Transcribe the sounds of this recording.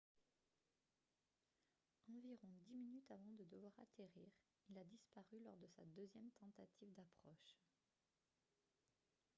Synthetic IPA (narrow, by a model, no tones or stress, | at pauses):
ɑ̃viʁɔ̃d̪iminyt̪avɑ̃d̪əd̪əvwaʁa̰t̪ʰeʁiːʁ | ilad̪ispaʁylɔʁd̪əsa̰d̪øzjɛmt̪ɑ̃t̪at̪ʰivd̪apχɔʃ